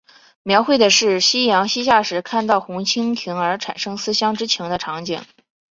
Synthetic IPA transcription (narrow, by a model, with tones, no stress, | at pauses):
mjɑ˧˥ʊxwe˥˩ɪd̪ə˩ʂɻ̩˥˩ɕi˥jɑ˧˥ŋɕi˥ɕ̬ja˥˩ʂɻ̩˧˥kʰa˥˧nt̪ɑ˥˩ʊxʊ˧˥ŋt͡ɕʰi˥ŋt̪ʰi˧˥ŋə˞˧˥ʈ͡ʂʰa̰˨˩nʂɤ˥ŋsɹ̩˥ɕjɑ˥ŋʈ͡ʂɻ̩˥t͡ɕʰi˧˥ŋd̪ə˧ʈ͡ʂʰɑ˧˥ŋt͡ɕḭ˨˩ŋ